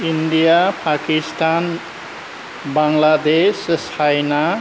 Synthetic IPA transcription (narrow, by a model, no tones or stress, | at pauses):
indijapʰakistan | baŋlad̪essʰajna